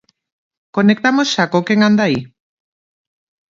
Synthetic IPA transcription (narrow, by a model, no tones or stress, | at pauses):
konek̚t̪amosʃakokeŋand̪ai